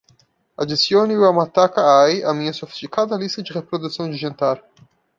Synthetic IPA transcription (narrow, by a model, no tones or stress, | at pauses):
ad͡ʒest̪joːniuamat̪ːakːaajamiɐsofi̥st̪ikaːt̪alist̪ɐd͡ʒ̪irepɾod̪ut̪sjond͡ʒ̪id͡ʒent̪aɾ